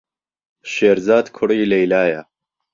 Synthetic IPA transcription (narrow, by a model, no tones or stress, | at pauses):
ʃeːɾzaːd̪kʰʊɽiːlɐjlaːjɐ